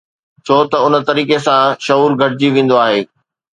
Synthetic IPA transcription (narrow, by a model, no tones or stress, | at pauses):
t͡ɕʰoːt̪ɐʊnə̆t̪ɐɾiːkesãʃɐɦuːɾɡʱɐʈɪd͡ʑiʋẽːn̆d̪oaːɦeː